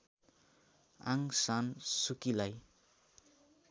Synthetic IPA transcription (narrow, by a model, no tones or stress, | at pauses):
a̰ŋsansukilaj